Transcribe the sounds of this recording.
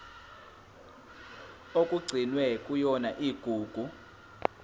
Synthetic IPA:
okʼuɡ͡ǀʱinwɛkʼujɔnaʔiːɡ̥ʱuːɡ̥ʱu

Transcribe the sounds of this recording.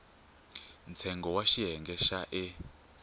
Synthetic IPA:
nt͡sʰɛŋɡɔwaʃiɦɛŋɡɛʃaʔɛ

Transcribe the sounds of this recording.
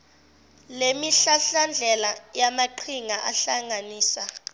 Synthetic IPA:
lemiɬaɬand͡ɮʱɛlajamaǃʰiŋaʔaɬaŋaniːsa

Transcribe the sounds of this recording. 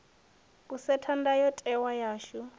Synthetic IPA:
kʼusɛtʰandajɔtʼɛwajaːʃu

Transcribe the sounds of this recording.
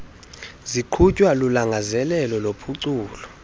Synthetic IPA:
ziǃʰucʼwalulaŋɡʱazɛlɛlɔlopʰuǀuːlɔ

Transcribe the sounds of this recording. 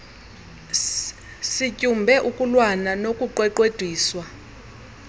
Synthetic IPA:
sicʼumbʱɛʔukʼulwananokʼuǃwɛǃwed̥ʱwiːswa

